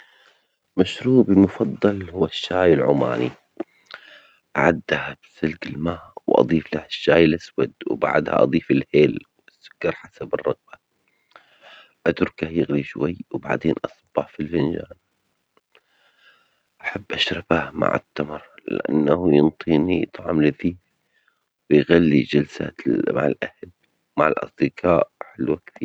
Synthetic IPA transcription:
maʃɾuːbimʊfɑðˤːɑlhʊwaʃːaːjɪlʕʊ̰ma̰ːnḭ | ʔaʕad̪ːahabsɪlɡɪlmaːʔwʔɑ̰ðˤiːflahaʃːaːjlʔaswa̰d̪wba̰ʕd̪ha̰ʔɑ̰d̪ˤiːfɪlħeːlwɪsːʊ̥kːɑɾˤħasabɪrˤːɑɣba | ʔat̪ʊɾkahjɪɣliʃwajːwba̰ʕd̪eːnʔɑsˤɑbːɑħfilfɪnd͡ʒa̰ːn | ʔaħabːʔaʃɾˤɑbama̰ʕɪ̰t̪ːamɾllɪ̰ʔa̰nːahujɨnt̪ˤiːnijɨt̪ˤʕɑ̰mlɪθiːf | wjɣalːid͡ʒalsa̰t̪ma̰ʕlʔahl | maʕɪlʔɑ̰sˤd̪ɪqʰɑːʔħɪlwakθiː

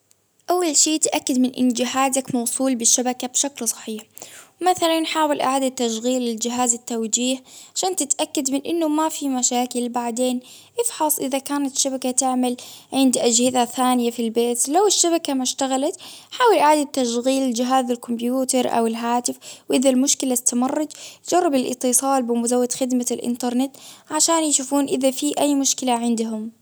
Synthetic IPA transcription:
ʔawːalʃiːt̪ʔakːad̪mɪnʔɪ̰nd͡ʒɪɦaːzakmɑwsˤuːlbɪʃːabakabʃaklsˤɑ̥ħiːħwmaθalanħaːwɪlʔa̰ʕaːd̪at̪ːaʃɣiːlɪld͡ʒɪɦaːzɪt̪ːawd͡ʒiːhʕaʃaːnt̪ɪt̪ʔakːad̪mɪnʔɪnːʊmafimaʃaːkɪlbaʕd̪eːn | ʔɪfħɑsˤʔɪðakaːnat̪ʃːabakat̪ɪʕmalʕɪnd̪ʔad͡ʒhɪzaθaːnɪjafilbeːt̪lawɪʃːaβakamaʃt̪aɣalat̪ħaːwɪlʔaʕaːd̪ad̚t̪ːaʃɣiːld͡ʒɪɦaːzalkʊmbjuːt̪ɑɾˤʔa̰wɪlɦaːt̪ɪfwʔɪðalmʊʃkɪlat̪ːamɑrˤːɑd͡ʒt̪d͡ʒɑrˤːɑbɪlʔɨ̰t̪ːɨsˤɑːlbɪmʊzawːad̪xɪd̪malʔɪ̰nt̪ɑɾˤnɪt̪ʕaʃaːnjʃuːfuːnʔɪðafiʔajːmʊʃkɪlaʕɪnd̪ɦʊm

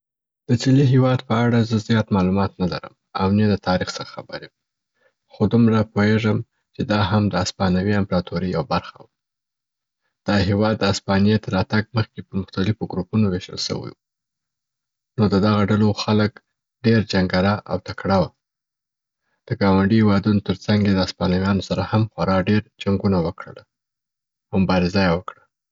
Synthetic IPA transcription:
d̪̥əsiliɦewɑd̪pəaɽazəzjɑt̪mɑlumɑt̪nala̰ɾə̰m | a̰wnelət̪ʰɑɾixsəɾḁxabəɾew | xod̪umɾapoeʐəm | t͡ʃed̪ɑɦamd̪əaspɑnawiampɾɑt̪ʰoɾija̰wabaɾxa̰w | d̪̥ɑɦewɑd̪ːəaspɑnjet̪əɾɑt̪aɡ̚məxkepəɾmʊxt̪alɪfoɡɾupunoweʃə̰lsə̰wḭwu | nod̪əd̪aɣaɖaloxalək | ɖeɾd͡ʒaŋɡaɾaʔa̰wt̪akɽawa | d̪̥əɡɑwaɳɖihewɑd̪unot̪əɾt͡saŋɡjed̪əaspɑnawjɑnosaɾahamxwaɾɑɖeɾd͡ʒaŋɡunawəkɽə̰la | mmʊbɑɾɪzajewəkɽa

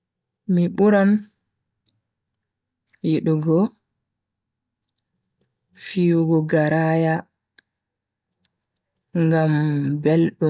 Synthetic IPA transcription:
miɓuɾan | jiɗuɡɔ | fiwuɡɔɡaɾaːja | ŋɡambelɗu

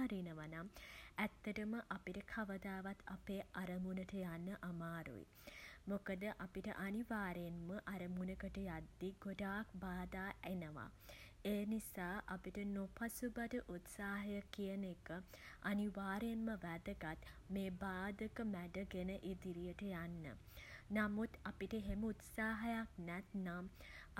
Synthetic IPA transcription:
aɾinəʋanamæt̪ːəʈəməʔapiʈəkʰaʋəd̪aːʋat̪ʰapeːaɾəmunəʈəjanːəʔamaːɾṵḭ | mokəd̪əʔapiʈə̰ʔaniʋaːɾenməʔaɾəmunəɡəʈəjad̪ːiɡoɖaːk̚baːd̪aːenəʋa̰ | eːnisaːʔapiʈənopasubatəʔut̪saːɦɐjəkijənekəaniʋaːɾenməʋæd̪əɡat̪meːbaːd̪əkəmæɖəɡenəʔid̪iɾijəʈəjanːə̰ | namut̪apiʈəɦeməut̪saːɦɐjaknæt̪nam

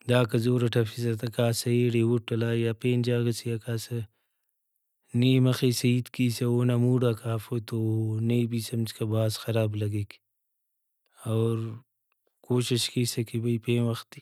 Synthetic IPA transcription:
d̪aːkɐzoːɾɐʈʰɐfisɐt̪ɐkaːsɐeːɽeːwuʈʈːɐlaːjapeːnd͡ʒaːɡɐsijakaːsɐ | niːmɐxiːsɐiːt̪kiːseoːnamuːɽaːkaːfot̪oneibiːsɐmt͡ʃkɐbaːsxɐɾaːblɐɡeːk | oːɾ | koːʃiʃkiːsɐkibɐipeːwɐxt̪i

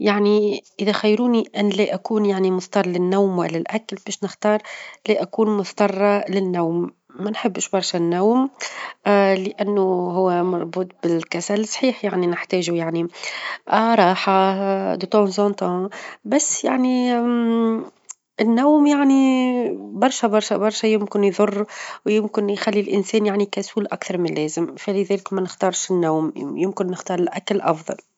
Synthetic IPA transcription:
jaʕniʔɪðæxajːɾuːniʔænlæʔakuːnjaʕnimʊθt̪ˤɑrˤlɪnːawmwɪlːɪlʔæklbɛːʃnɪxt̪ɑːɾˤlæʔækuːnmʊθt̪ɑrˤːɑlɪnːawmː | ænħɪbːʃbɑɾˤʃanːawm | lɪʔanːʊɦʊwːamɑɾˤbuːt̪̚ˤbɪlkæsælsˤħiːħjaʕninɪħt̪ɛːʒujaʕniʔɾˤɑːħad̪ət̪ɑ̃zɑ̃t̪ɑ̃ːbæsːja̰ʕni | ɪnːawmjaʕni | bɑɾˤʃæbɑɾˤʃɛbɑɾˤʃɛjɪmkɪnjðˤʊrˤːwjɪmkɪnjxælːilʔɪnsɛːnjaʕnikæsuːlʔakθɑɾˤmɪnlɛːzɪmfælɪðɛːlɪkmɛnɪxt̪ɑːɾˤʃɪnːaːmjɪmkɪnːɪxt̪ɑːɾˤɪlʔæklʔɑ̰fðˤɑ̰l

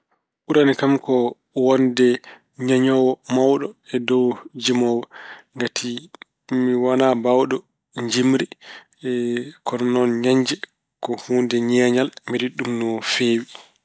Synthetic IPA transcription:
ʔuɾanikamkɔ | wɔndɛ | ɲaɲɔwɔmawɗɔɛdɔwd͡ʒimɔwɔŋɡatʰi | miwanabawɗɔ | ɲd͡ʒimɾi | kɔnnɔnɲaɲd͡ʒɛ | kɔhuːndɛɲɛːɲalmiɗiɗumnɔfeːwi

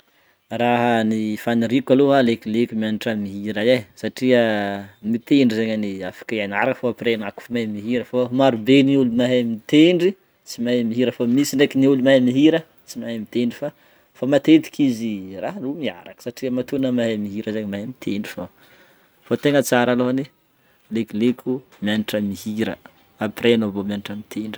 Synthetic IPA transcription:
raɦənifaniɾikʲaloɦalekilekumianiʈ͡ʂamiɦiɾaesaʈ͡ʂiəmit̪eɳɖ͡ʐizeɲaniafḁkaanaɾakəfoapirenaku̥famamiɦiɾəfamaɾubeniulumaɦamit̪eɳɖ͡ʐi | t͡simamiɦiɾəfamisiɳɖ͡ʐekiniulumaɦmiɦiɾə | t͡simaɦemit̪eɳɖ͡ʐifa | famat̪et̪i̥kʰiziraɦnumiaɾakə̥saʈ͡ʂiəmat̪unəmaɦamiɦiɾəzeɲmaɦemit̪ʰeɳɖ͡ʐifa | fot̪eŋət͡saɾaloɦane | lekilekʰʲu | mianiʈ͡ʂəmihiɾə̰ | apirenovomjaniʈ͡ʂəmit̪ʰeɳɖ͡ʐi̥

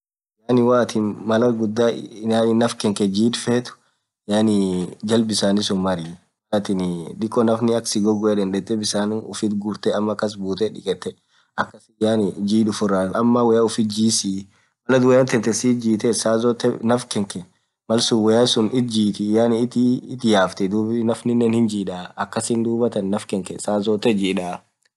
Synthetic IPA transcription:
jaːnɪwaːt̪ʰɪnmɐlɐɡʊd̪ːaːnaːnɪnɐfkɛŋkɛd͡ʒiːt̪feːt̪ʊ̥ | jaːnɪd͡ʒɐlbɪsaːnɪsʊnmɐɾiː | wɐt̪ɪnd̪ɪkʼːɔnɐfnɪɐksɪɡɔɡɔɛd̪ɐnd̪ɛt̪ːɛbɪsaːnʊfɪt̪ɡʊɾt̪ɛɐmːɐkːɐs̬buːt̪ɛᶑɪ̰kʼɛt̪ːɛ | ɐkːɐsɪjaːnɪd͡ʒiːᶑʊfʊrːaːɐmːɐwɛjaʊfɪt̪̚d͡ʒiːsi | mɐlɐd̪wɛjaːnt̪ɛnt̪ɛsiːd͡ʒiːt̪ɛsaːzɔt̪ːɛnɐfkɛŋkɛ | mɐlsʊwɛjasʊnɪt̪̚d͡ʒiːt̪ɪjaːnɪt̪ɪːt̪jaːft̪ɛd̪uːbɪnɐfnɪnːɛnhɪnd͡ʒiːᶑaːɐkːɐsɪnd̪uːbɐt̪ɐnːɐfkɛŋkɛsaːzɔːt̪ːɛd͡ʒiːᶑaː

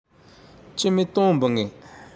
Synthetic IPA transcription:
t͡ɕəmit̪oŋmbəŋi

